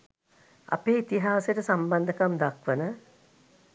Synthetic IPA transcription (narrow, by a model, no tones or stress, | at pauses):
a̰peːit̪iɦaːsəʈəsamband̪əkamd̪akʋənə